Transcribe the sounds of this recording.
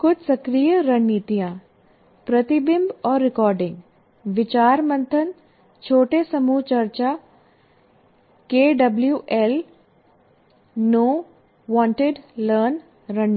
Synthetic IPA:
kʊd̪sɐkɾiːjəɾɐɳit̪ijãː | pɾɐt̪ɪbɪmbɔːɾːɪkɔːɾɖɪ̃ŋɡ | ʋɪt͡ʃaːɾmɐ̃nt̪ʰən | t͡ʃʰoːʈesɐmuːt͡ʃɐɾt͡ʃa | keːɖɐbljuʔɛl | noː | ʋãːɳʈɪɖləːɾn | ɾɐn

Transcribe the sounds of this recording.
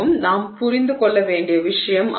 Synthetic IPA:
ɯmnaːmpʊrɪnd̪ɯkɔɭːɐʋeːɳɖɪjɐʋɪʂɐjɐmʔ

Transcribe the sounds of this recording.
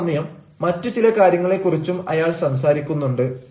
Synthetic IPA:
nːɐjɐmː | ɐtːɨt͡ɕilɐkaːɾjɐŋːɐɭe̞kːurit͡ɕːumɐjaːɭsɐms̬aːɾikʲːunːuɳɖɨ

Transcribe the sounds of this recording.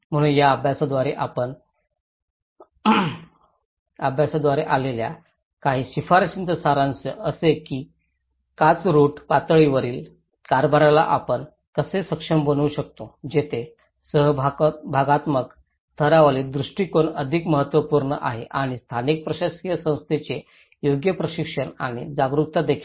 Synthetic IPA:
m̤əɽ̃uːnjaəbʱjasad̪ʋaɾeʔapəɳ | əbʱjasad̪ʋaɾeʔalelja̰ | kaɦiːɕifaɾɕint̪əsaɾãnt͡səəsekiː | kat͡sɾuːʈpat̪ɭiʋəɾiːl | kaɾbʱəɾala̰ʔapəɳ | kəsesəkʂəmbənuːɕək̚t̪od͡ʑet̪ʰe | səɦbʱaɡat̪mək | t̪ʰəɾaʋled̪ɾuʂʈiːkoɳəd̪ʱikməɦət̪ʋəpuɾɳə̰ʔa̰ɦeʔaɽ̃ist̪ʰanik̚pɾəɕaskijəsə̃w̃st̪ʰet͡ɕe | joɡjəpɾəɕikʂəɳa̰ɽ̃ḭd͡zaɡɾuk̚t̪ad̪ekʰi̥l

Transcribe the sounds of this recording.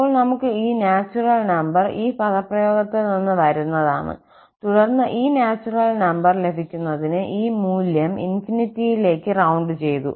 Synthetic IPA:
pːoːɭnɐmukːɨiːnaːt͡ɕːurɐlnɐmbɐriːpɐðɐprɐjo̞ːɡɐt̪ːilninːɨʋɐɾunːɐðaːɳɨ̰ | t̪uɽɐrnːɐʔiːnaːt͡ɕːurɐlnɐmbɐrle̞bʱikʲːunːɐðinɨʔiːmuːljɐmḭnfinitːijile̞ːkːɨrɐwɳɖɨt͡ɕe̞jt̪ṵ

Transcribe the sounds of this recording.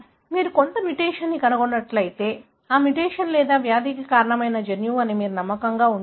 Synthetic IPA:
miːɾuko̞nt̪ɐmiʈeːʂɐnːikɐnɐɡonːɐʈlɐjit̪e̞ː | aːmiʈeːʂɐnlɛːd̪aːʋjaːd̪ikikaːɾɐɳɐmɐjnɐd͡ʒenjuːɐnimiːɾunɐmːɐkɐŋɡaːun

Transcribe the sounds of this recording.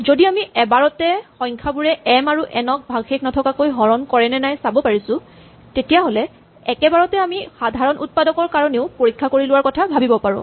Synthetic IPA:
zodiamiɛbaɹɔtɛxɔ̃j̃ŋkʰabuɹɛʔɛmaɹuʔɛnɔk̚bʱaɡxeknɔtʰɔkakojɦɔɹɔnkɔɹɛnɛnajsabɔpaɹisʊ̃ | tetijaɦolɛ | ɛkɛbaɹɔtɛamixadʱaɹɔnʔut̚padɔkɔɹkaɹɔneʊpoɹikʰːakoɹilʊwaɹkɔtʰabʱabibɔpaɹɔ̰̃

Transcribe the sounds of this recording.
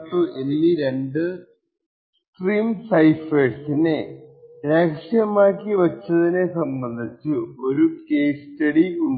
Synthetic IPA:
tːuʔelːiɾe̞ɳɖɨ | sʈriːmsɐjfesineɾeːkʂjɐmaːkːiʋɐt͡ɕːɐðine̞sɐmbɐnd̪ʱit͡ɕːuo̞ɾukeːstɐɽiuɳ

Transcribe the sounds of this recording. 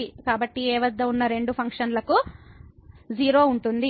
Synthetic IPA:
ikaːbɐʈːiɛːʋɐd̪ːɐunːɐɾe̞ɳɖupʰɐŋkʂɐnlɐku | d͡ʒiːɾo̞ːuɳʈund̪i

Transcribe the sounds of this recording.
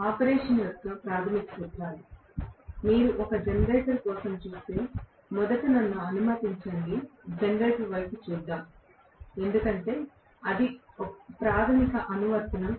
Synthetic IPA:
aːpɐɾeːʂɐnjɐt̪ːɐpɾaːt̪ʰɐmikɐtuʈːaːɾi | miːɾuʔɔkɐd͡ʒɐnɡɐːsɐɾkɔːsɐmt͡ʃuːst̪e̞ː | mɔd̪ɐʈinɐnːuɐnumɐt̪iɲt͡ʃɐɳɖid͡ʒɐnɡɐːʈiʋɐjput͡ʃuːd̪ːaːm | e̞nd̪ukɐɳʈe̞ː | ɐd̪i | ɔpɾaːt̪ʰɐmikɐʔɐnuʋɐɾt̪ɐnɐ

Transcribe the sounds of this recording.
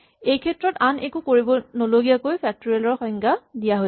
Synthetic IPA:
ejkʰɛtːɹɔtanekukoɹibɔnoloɡijakojpʰɛk̚toɹiɛlɔɹxɔŋɡadijaɦo

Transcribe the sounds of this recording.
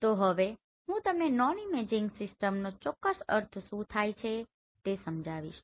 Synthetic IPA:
t̪oɦəʋe | ɦũt̪əmenɔnimed͡ʒiŋɡsɪsʈəmnot͡ʃɔkːəsə̰ɾt̪ʰʃũt̪ʰajt͡ʃʰe | t̪esəmd͡ʒʱaʋḭʃ

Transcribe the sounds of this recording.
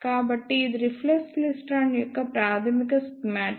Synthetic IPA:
kːaːbɐʈːɨid̪uɾiflekslisʈaːɳjɔkːɐpɾaːt̪ʰɐmikɐsmaːʈ

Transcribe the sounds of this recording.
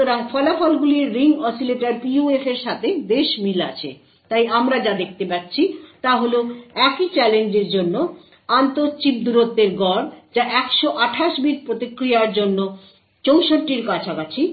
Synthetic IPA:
oɾaŋfɔlafɔlɡuliɾiŋɡɔsileʈaɾpiuefeɾʃat̪ʰeb̪eʃmilat͡ɕʰḛ | t̪ajʔamɾad͡ʑad̪ek̚ʰt̪epatːɕʰit̪aɦoloɛkit͡ɕɛlend͡ʑeɾd͡ʑonːo | ant̪ot͡ɕib̚d̪uɾot̪ːeɾɡɔɾd͡ʑaʔɛkʃoʔaʈʰaʃbiʈpɾot̪ikɾijaɾd͡ʑonːo | t͡ɕowʃonʈiɾkat͡ɕʰakat͡ɕʰi

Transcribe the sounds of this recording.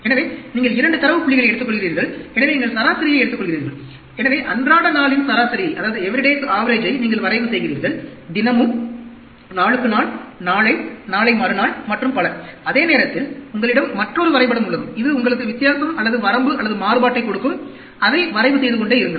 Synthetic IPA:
ɛnɐʋeːniːŋɡɐɭɪɾɐɳɖɯt̪ɐɾɐʋɯpʊɭːɪɣɐɭɐɪɛɽɯt̪ːɯkːɔɭɣɪɾiːɾɡɐɭɛnɐʋeːniːŋɡɐɭsɐɾaːsɐɾɪjɐɪɛɽɯt̪ːɯkːɔɭɣɪɾiːɾɡɐɭ | ɛnɐʋeːʔɐndraːɽɐnaːɭɪnsɐɾaːsɐɾɪjɐɪʔɐðaːʋɐðɯɛʋɪɾɪɽeːsaːʋɐɾeːd͡ʒɐɪniːŋɡɐɭʋɐɾɐɪʋɯsɛjɣɪɾiːɾɡɐɭd̪ɪnɐmɯm | naːɭɯkːɯnaːɭnaːɭɐɪnaːɭɐɪmaːɾɯnaːɭmɐʈrɯmpɐɭɐɾɐðeːneːɾɐt̪ːɪlʊŋɡɐɭɪɽɐmːɐʈrɔɾɯʋɐɾɐɪpːɐɽɐmʊɭːɐðɯmɪðɯʊŋɡɐɭɯkːɯʋɪt̪ːjaːsɐmɐlːɐðɯʋɐɾɐmbɯɐlːɐðɯmaːɾɯbaːʈːɐɪkɔɽɯkːɯm | ɐðɐɪʋɐɾɐɪʋɯsɛjðɯkɔɳɖeːɪɾɯŋɡɐ

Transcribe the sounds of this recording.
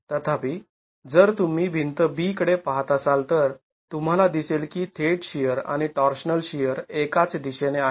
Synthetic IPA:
t̪ət̪ʰapiː | d͡zəɾt̪um̤iːbʱint̪əbiːkəɽepaɦt̪əsalt̪əɾ | t̪um̤alad̪iselkiːt̪ʰeʈɕijəɾa̰ɽ̃iʈɔɾɕnəlɕijəɾekat͡sed̪iɕenea

